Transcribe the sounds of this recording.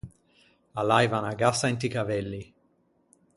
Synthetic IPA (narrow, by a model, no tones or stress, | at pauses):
alajvanaɡasaint̪ikavɛlːi